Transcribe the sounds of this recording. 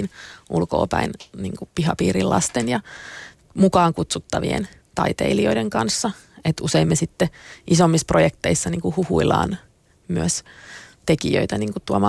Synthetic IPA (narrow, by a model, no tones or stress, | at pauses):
nʔulko̰ːpæ̰inniːŋkupihɑpiːɾillʔɑ̰st̪enjɑ | mukɑːŋkut̪sut̪ːɑʋḭḛn | t̪ɑ̰it̪ḛilioideŋkɑnsːɑ | et̪useimːesit̪ːeʔisomːisprojekt̪eisːɑniːŋkuhuhuilɑ̰ːn | myøst̪ekijø̰it̪æniːŋkut̪uɑmɑ